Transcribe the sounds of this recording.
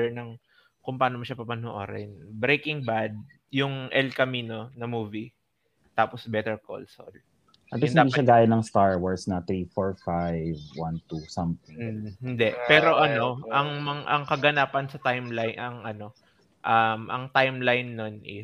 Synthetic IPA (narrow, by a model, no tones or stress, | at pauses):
ɛnɐŋ | kʊŋpaːnomɐʃɐpɐpɐnoʔo̰ɾɛ̰nbɾejkɪŋbad̪̚ | jʊŋʔɛlkɐmiːno̞nɐmuːvi | t̪aːposbɛt̪ɛɹko̰lso̰l | ɐt̪ɔɪnɪad̪iːʃɐɡaːjɐnɐŋst̪aɹwaɹsnɐt̪ɾifoɹfajvwant̪usɐmtɪhɪnd̪ɛʔpɛːɾo̞ʔɐno̞ʔɐŋmɐŋʔɐŋkɐɡɐnaːpɐnsɐt̪ajmlajnʔɐŋʔɐno̞ | ʔɐmʔɐ̰ŋt̪ajmlajnːonʔɪ̰